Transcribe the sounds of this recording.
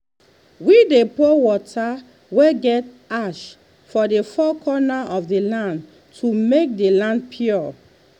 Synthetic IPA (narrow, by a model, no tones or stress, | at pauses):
widepowɔtʰa | weɡɛt | aʃ | fɔdefɔkʰɔnaʔɔfdelãnd | tʰumek̚delãndpʰuɔ